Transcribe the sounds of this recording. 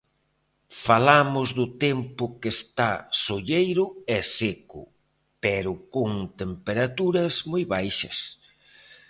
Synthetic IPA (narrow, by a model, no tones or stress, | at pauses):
falamʊzðʊt̪empʊkest̪asoʎejɾʊɛsekʊ̰ | pɛɾʊkoŋt̪empeɾat̪uɾɐzmojβajʃɐ̰s